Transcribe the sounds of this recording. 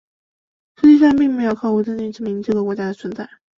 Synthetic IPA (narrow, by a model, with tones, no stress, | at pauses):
ʂɻ̩˧˥t͡ɕi˥˧ʂɑ˥˧ŋpi˥˩ŋme˧˥ɪjo˧˩ʊkʰɑ˥˩˥wʈ͡ʂə˥ni˥˩ʈ͡ʂɻ̩˥˩mi˧˥ŋʈ͡ʂɤ˥˩ɡə˩kwɔ˧˥t͡ɕja˥d̪ə˨t͡sʰwə˧˥nt͡sa˥˩ɪ